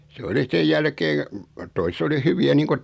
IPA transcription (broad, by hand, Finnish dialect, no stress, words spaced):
se oli sej jælkeː toiset oli hyʋiæ niːŋku